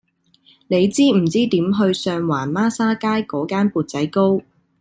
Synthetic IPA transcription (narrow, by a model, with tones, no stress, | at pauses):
ne˨˧jt͡siː˥m̩˨˩t͡siː˥t̪iː˨˥mɦɵ˧ɥsœː˧ŋwaː˨˩nmaː˥saː˥kaː˥jkɔː˨˥kaː˥npuː˨˧t̚t͡sɐ˨˥jko˥w